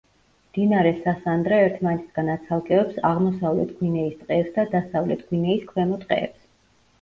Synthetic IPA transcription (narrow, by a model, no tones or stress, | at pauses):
md̪̥inaɾɛsasand̪ɾɛɛɾt̪ʰmanɛt̪ʰisɡ̥anat̪sʰalˠkʼɛɔpsaʁmɔsavlɛ̰t̪ʰɡwinɛist̪ʼqʼɛːpsd̪ad̪asavlɛt̪ʰɡ̥winɛiskʰwɛmɔt̪ʼqʼɛ̰ːps